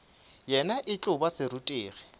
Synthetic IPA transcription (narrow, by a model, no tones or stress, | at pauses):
jɛnaʔɪt͡ɬʼʊbasɪrutʼeːɣɛ